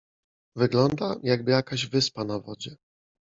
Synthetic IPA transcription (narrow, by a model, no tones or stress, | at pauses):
vɘɡlɔnd̪ajaɡ̚bɘjakaʑvɘspanavɔ̰d͡ʑɛ